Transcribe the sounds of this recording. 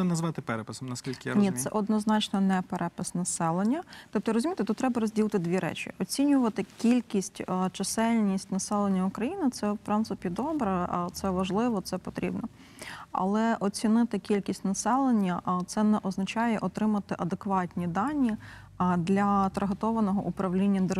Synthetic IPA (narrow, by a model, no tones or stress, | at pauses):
nɐzʋɑt̪ɪpɛɾɛpɪsɔmnɐskʲilʲkɪja̰nʲisɛ̰ʔɔd̪nɔznɑt͡ʃnɔnɛpɛɾʔɛpɪsnɐsɛlˠenʲːɐt̪ɔp̚t̪ɔɾɔzʲʊmʲit̪ɪt̪ut̪t̪ːɾɛbɐɾɔzʲdʲilˠt̪ɪd̪ʲʋʲiɾɛ̰t͡ʃʲḭɔt͡sʲinʲʊʋɐt̪ɪkʲilʲkʲisʲtʲt͡ʃɐsɛlʲnʲisʲtʲnɐsɛlˠenʲːɐʊkɾɐjinɪt̪sɛwpɾɪnt̪sɪpʲid̪ɔbɾɛt̪sɛʋɐʒlˠɪʋɔt̪sɛpɔt̪ɾʲʔḭbnɔ | ɐ̰lˠɛʔɔt͡sʲinɪt̪ɪkʲilʲkʲisʲtʲnɐsɛlˠenʲːɐt̪sɛnɛʔɔznɐt͡ʃɑjɛʔɔt̪ɾɪmɐt̪ɪʔɐd̪ekʋɑtʲnʲid̪ɑnʲːi | d̪lʲɐt̪ɾɐɦɐt̪ɔʋɐnɔɦɔ̰ʔupɾɐwlʲinʲːɐd̪e